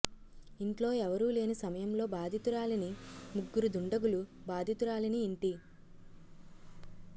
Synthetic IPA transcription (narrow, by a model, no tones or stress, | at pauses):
iɳʈlo̞ːɛʋɐɾuːle̞ːnisɐmɐjɐmlo̞ːbaːd̪ʱit̪uɾaːlɐnimuɡːuɾud̪uɳɖɐɡulu | baːd̪ʱit̪uɾaːlɐniːɳʈi